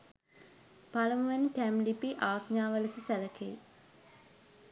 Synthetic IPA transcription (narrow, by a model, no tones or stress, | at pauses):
paləmuʋɛniʈæmlipiʔaːkɲaːʋəlɐsisæləkḛj